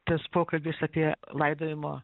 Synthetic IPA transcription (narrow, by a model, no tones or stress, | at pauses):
t̪ɐspoːkɐlʲbʲiːsɐːpʲiɛlˠɐɪd̪oːʋʲɪmo̰ː